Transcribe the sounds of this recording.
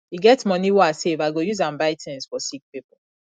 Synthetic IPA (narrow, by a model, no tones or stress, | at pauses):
iɡɛtmɔniwɔasevaɪɡojuzãmbaɪtʰɛ̃nsfɔsik̚pipɔl